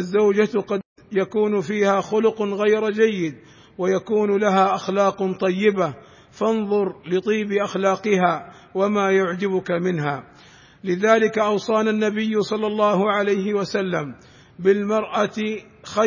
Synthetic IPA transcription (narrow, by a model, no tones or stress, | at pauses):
ʔazːawd͡ʒat̪qɑd̪ | jakuːnfiːhaːxʊlʊqɣajɾd͡ʒajːɪd̪ | wajakuːnlaɦaːʔaxlaːqt̪ˤɑjːɪba | fɑnðˤʊɾlɪt̪ˤiːbɪʔaxlaːqɨɦaː | wamaːjʊʕd͡ʒabʊkamɪnɦaː | lɪðaːlɪkaʔɑwsˤɑːnanːabɪjːsˤɑlːɑlˤːɑːhʕalajɦɪwasalːam | bɪlmɑɾˤʔa | xa